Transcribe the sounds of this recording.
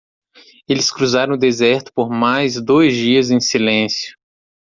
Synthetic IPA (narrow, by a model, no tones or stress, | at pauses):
elɪskɾuzaɾɐ̃w̃ʊd̪ezɛɾt̪ʊ̥poɾmajzd̪ojzd͡ʒiɐzẽj̃silẽsjʊ̥